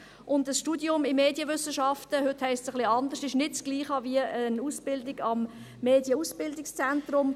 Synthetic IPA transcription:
ʔʊndəsʃtuːdjʊmɪmeːdjəvʏsːəʃɑftəɦʏthɛɪstsəχliɑndəʃtɪʃnɪtt͡sɡ̥liːχɑviəənuːsb̥ɪldɪɡɑmː | eːdjəusb̥ɪldɪkst͡sɛntrʊm

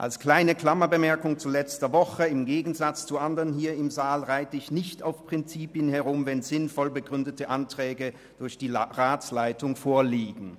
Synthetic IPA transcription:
ʔa̰lskl̥aɪnəkl̥amɐbəmɛɐkʊŋt͡sulɛt͡stɐvɔχəɪmɡeːɡn̩zat͡st͡suʔandəʁənɦiːɐɪmzaːlʁaɪtəɪçnɪçtaʊfpʁ̥ɪnt͡siːpjənhɛʁʊmvɛnzɪnfɔlbəɡʁʏndətəʔantʁ̥ɛːɡə | d̥ʊɐçd̥iːʁaːt͡slaɪtʊŋfoːɐliːɡŋ̩

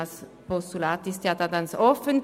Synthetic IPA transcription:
s | pɔst̪ulaːt̪ɪst̪jaːd̥̪aɡansɔfən

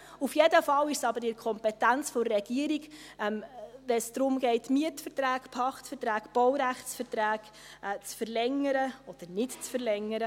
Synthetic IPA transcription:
ufjedəfɑlɪʃsɑbəɾɪɾkʰɔmpɛtænt͡sfɔrːɛɡ̥iəɾiɡʔɛmvɛnsd̥̪ɾʊmɡɛɪtmiətfət̪ɾæːkpʰɑχtfəɾtɾæːkb̥ɔwɾæχt͡sfəɾt̪ɾæːɡ | t͡sfəɾlɛŋəɾəɔd̪̥əɾnɪtt͡sfəɾlɛŋːəɾə

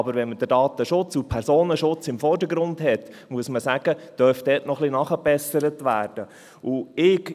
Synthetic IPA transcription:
ɑbəɾʋɛnməd̥̪ədɑːt̪əʃʊt͡supʰɛɾsoːnəʃʊt͡sɪmfɔɾdəɾɡɾʊnd̪hɛt | muəsməsæɡ̥əd̥œɾfd̪̥ɛːtnɔχlinɑχəb̥ɛsəɾətʋæːrd̥ə | ʊɪɡ

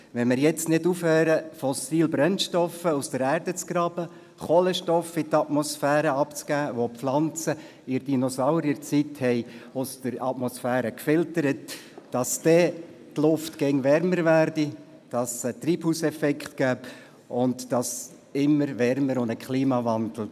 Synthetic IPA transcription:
ʋɛnmɪɾjɛt͡stnɪdufhøːɾəfɔsiːlbɾɛnʃtɔfəusd̥əɾæːɾdət͡sɡ̥ɾɑːb̥ə | χoləʃtɔfitɑtmɔsfæːɾəɑpt͡sɡæːʋopp͡flɑnt͡sə | ɪɾd̥inɔsaʊɾiəɾt͡sithɛɪʊstəɾɑ̰tmɔsfæːɾəkfɪltəɾətːɑstɛtlʊftkɛŋʋɛrməɾʋæːɾdi | d̥ɑsət̪ɾiːb̥huːsɛfɛkχtɡ̥æːb | ʊntd̥ɑs | ɪmːəɾʋɛɾməɾʊnd̪əkχliːmɑvɑndl̩

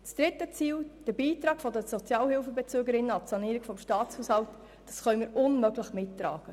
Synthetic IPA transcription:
t͡sd̥ɾɪtːət͡siːld̥əbiːtɾɑːɡ̥fɔdəsɔt͡sjɑːlhɪlfəbɛt͡søːɡəɾɪnːəɑtsɑniːɾiɡ̥fɔmʃtɑːt͡shuːshɑlt | d̥ɑsχœʏmiːɾʊnmœɡləχmɪtːɾɑ̰ːɡ̥ə

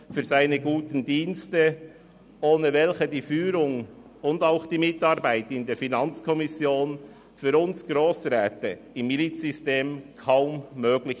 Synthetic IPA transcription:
fyːzaɪnəɡuːtən̩diːnstə | ʔoːnəvɛlçədiːfyːɾʊŋ | ʊndaʊxd̥iːmɪtɑɾbaɪtɪndeːfinɑnt͡skʰɔmɪsjoːn | fyːɾʊnsɡ̥ɾoːsɾɛːtə | ɪmːilit͡szʏsteːmkʰaʊmːøːɡ̥lɪç

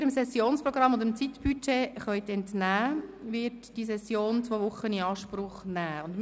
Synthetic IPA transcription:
ɾəmsɛsjoːnspɾɔɡɾɑmːond̪əmt͡sit̪b̥yt͡ʃeχœʏt̪ɛntnæːʋɪɾtd̥is̬ɛsːjoːnt͡sʋoːʋʊχəniɑːʃpɾʊχnæːʊndm

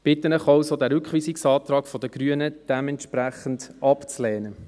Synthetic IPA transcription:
b̥ɪt̪ːənəχɑwsodæɾʏkχʋiːsiksɑːt̪ɾɑːkfɔdəɡ̥ɾyənəd̥ɛmɛnt̪ʃpɾæχəndɑpt͡slɛːnə

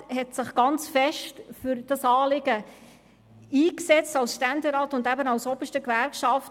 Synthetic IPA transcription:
hɛtsɪχɡ̥ɑnt͡sfɛʃtfʏɾd̥ɑsɑːlɪɡə | iːksɛt͡stɑlsʃtændeɾɑːtʊndæbənɑwsɔbəʃtəkvæɾkʃɑft

